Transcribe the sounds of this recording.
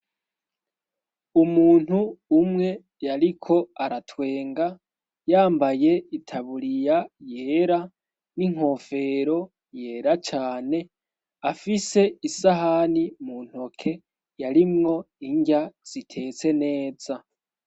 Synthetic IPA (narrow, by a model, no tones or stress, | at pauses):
umuːn̥huːmŋe̞ | jaɾikʰo̞aɾatwe̞ːŋɡa | jaːmbaje̞itʰaβuɾijajeːɾa | niŋ̥o̞fe̞ɾo̞ | je̞ːɾat͡ʃaːne̞ | afise̞isaɦanimun̥ho̞kʰe̞ | jaɾimŋo̞ | iɲɟaz̥itʰe̞ːt͡se̞ne̞ːz̥a